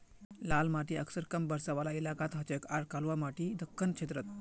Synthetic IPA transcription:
lalmaʈiəksəɾkəmbəɾsaʋalailakat̪ɦət͡ɕəkaɾkalʋamaʈid̪əkʰːənkt͡ʃʰet̪ɾət̪̚

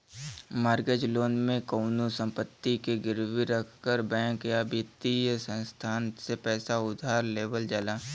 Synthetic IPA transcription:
maːɾɡəd͡ʒloːnmẽkoːnusə̃mpət̪ːikeɡɪɾʋiɾəkʰkəɾbɛ̃ːŋkjabit̪ijsə̃nst̪ʰaːnsepɛːsaʊd̪ʱaːɾleːʋəld͡ʒalaː

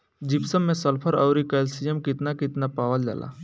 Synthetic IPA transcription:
d͡ʒipsəmːẽsɐlpʰəɾəwɾikəlsijəmkɪt̪nakɪt̪napaːʋəld͡ʒa̰ːlʔa̰

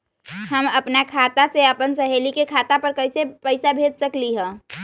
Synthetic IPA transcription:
ɦəməpnakʰat̪aseəpənsəɦeːlikekʰat̪apəɾkəɪsepəɪsabʱed͡ʒsəkliɦɛ̃ː

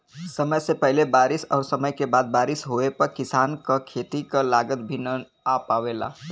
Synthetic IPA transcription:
səməjsepəɦɪlebaːɾɪsɔ̰ːɾsəməjkebaːd̪̚baːɾɪsɦoepəɾkɪsaːnkakʰeːt̪ikalaɡət̪̚bʱinə | apaʋela̰ː

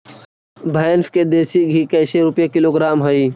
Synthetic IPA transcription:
bʱaːnfked̪eːsiɡʱikɐːseɾʊpjekɪloːɡɾaːmɦəiː

